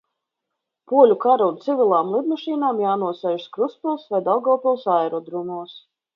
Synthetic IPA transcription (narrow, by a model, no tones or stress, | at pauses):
puɔlʲukaɾunt̪sivʲilˠaːmlˠid̪maʃiːnaːmjaːnuɔsɛjʒskɾuspulˠsvajd̪alˠɡalˠpʲɛlˠsajɾɔd̪ɾumuɔs